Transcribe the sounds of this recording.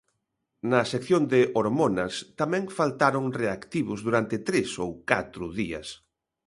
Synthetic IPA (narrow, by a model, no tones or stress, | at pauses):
nɐsekθjond̪ɪʔoɾmonɐst̪amɛ̃ŋfalt̪aɾʊŋreakt̪iβʊzðuɾant̪ɪt̪ɾesowkat̪ɾʊðiɐ̰s